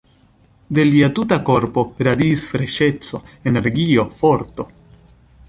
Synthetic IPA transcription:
de̞liatutako̞ɾpo̞ɾadiːsfɾe̞ʃe̞t͡so̞ene̞ɾɡio̞fo̞ɾto̞

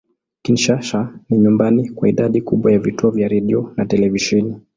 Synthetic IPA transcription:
kinʃaʃaniɲumbanikwaiɗaɗikuɓwajavituɔvjaɾɛɗiɔnatɛlɛviʃɛni

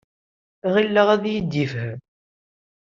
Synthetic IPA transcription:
ʁilːəʁæðjəd̪ːifhəm

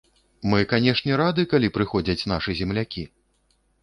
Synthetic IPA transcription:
mɨkanʲɛʂnʲɛɾad̪ɨkalʲipɾɨxɔd͡zʲɐt͡sʲn̪aʂɨzʲɛmlʲakʲi

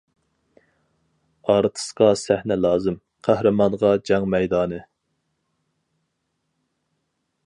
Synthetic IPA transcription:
ɑɾt̪ʰɨ̥sqɑsæhnɛlˠɑːzɨm | qʰæhɾɨmɑnʁɑd͡ʒɛŋmɛjd̪ɑːnɨ

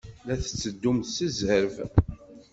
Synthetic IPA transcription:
læθə̥t͡sːəd̪ːumθsəzəɾv

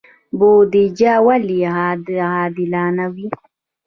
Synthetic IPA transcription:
boːd̪id͡ʒaːwaliɦadhaːd̪ilaːnawi

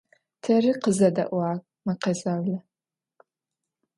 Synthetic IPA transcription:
tʰɐrɨqəzɐdɐ̰ʔʷaːkʼmɐqɐzawlɐ

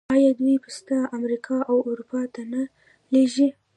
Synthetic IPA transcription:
ɑjɑd̪ujpəst̪aamɾikʰɑʔawʊɾupɑt̪ana | leʒi

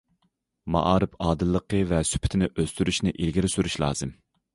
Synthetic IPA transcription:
mɑ̰ʔɑːɾɨpɑːd̪ɨlˠːəqʰəvɛsy̥pʰɪ̥t̪ʰɪnɪʔøst̪yɾyʃnɪʔilɡʲiɾɪsyɾyʃlˠɑ̰ːz̥ɨm

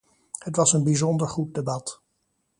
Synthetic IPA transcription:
hətʋɑsənbizɔndəɹχut̚debɑt

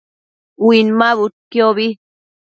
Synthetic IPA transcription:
winmaβut̪̚kjoβi

